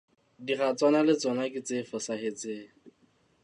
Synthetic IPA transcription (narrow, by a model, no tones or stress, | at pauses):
diχat͡sʼwanalɪt͡sɔnakʼɪt͡sɪfɔsahet͡sɪː